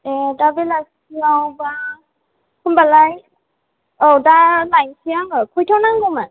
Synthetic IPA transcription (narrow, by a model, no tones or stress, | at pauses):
ɛdabɛlaɡsiawba | kʰumbalaj | owdaɹlajŋsiaɔkʰɔjtʰɔnaŋɡɔman